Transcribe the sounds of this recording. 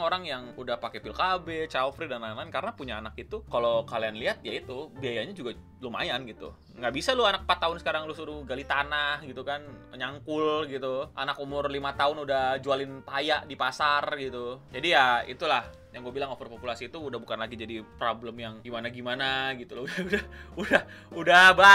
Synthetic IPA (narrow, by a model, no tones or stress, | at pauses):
ŋoɾaŋjaŋudahpakepɪlkabɛt͡ʃalfɾidananlankaɾənapuɲaːnak̚it̪ukalokalianliat̪̚jait̪ubiajaɲad͡ʒuɡa | lʊma̰janɡit̪ṵ | ŋɡaʔbisalʊanak̚pat̪ːaʊnsəkaɾaŋlʊsuɾuɡalit̪anahɡit̪ukanəɲaŋkʊlɡit̪uʔa̰nakumʊrlimat̪aʊnudahd͡ʒualɪnpajaʔdipasarɡit̪ud͡ʒadijaḭt̪ulah | jaŋɡuabilaŋofripopulasiːt̪uːdahbukanlaɡid͡ʒadipɾobləmjaŋɡimanaɡimanaɡit̪ulʊudaudahudahudaba